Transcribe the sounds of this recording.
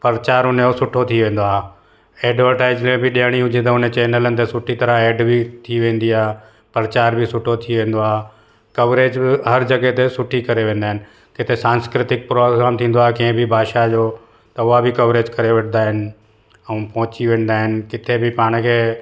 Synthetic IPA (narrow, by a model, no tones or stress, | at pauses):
pɐɾət͡ɕaːɾɦʊnejosʊʈʰot̪ʰiʋẽːn̆d̪oaːɦe | eːɖʋəɾʈaːɪd͡ʑmẽbɪɗiəɽ̃iɦʊd͡ʑẽt̪ɐʊnẽt͡ɕɛːnələnɪ̆t̪esʊʈʰit̪ɐɾəeːɖbʱɪt̪ʰiʋẽːn̆d̪iaː | pɐɾɐt͡ɕaːɾbʱɪsʊʈʰot̪ʰiʋẽːn̆d̪oaːɦe | kɐʋɾeːd͡ʑbɪɦɐɾd͡ʑɐɡet̪esʊʈʰikɐɾeʋẽːnd̪aːɦɪnɪ̆ | kɪt̪ʰesãːnskɾɪt̪ɪk̚pɾoːɡɾaːmt̪ʰĩːn̆d̪oaːɦekɐ̃ɦɪ̃bʱɪbʱaːʃad͡ʑoː | t̪ɐʊɦabɪkɐʋɾeːd͡ʑkɐɾeʋɐʈʰɪnaːɦɪnɪ̆ | ɛũpɐ̃ɦʊt͡ɕiʋẽːn̆d̪aːɦɪnɪ̆kɪt̪ʰebʱɪpaːɽ̃kʰeː